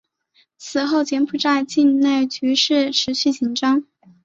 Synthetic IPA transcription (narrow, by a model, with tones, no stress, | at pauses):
t͡sʰɹ̩˨˩xo˥˩ʊt͡ɕjɛ˧˥npʰu˨˩ʈ͡ʂa˥˧ɪt͡ɕi˥˧nne˥˩ɪt͡ɕy˧˥ʂɻ̩˥˩ʈ͡ʂʰɻ̩˧˥ɕy˥˩t͡ɕi˨˩nʈ͡ʂɑ˥ŋ